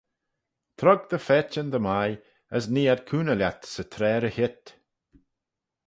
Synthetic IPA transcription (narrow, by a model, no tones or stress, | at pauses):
t̪ʰɾɔɡ̚d̪əfɛːt͡ʃənd̪əmaj | əs̬niːad̪̚kʰuːnəlʲjat̪sət̪ʰɾɛːɾəhɪt̪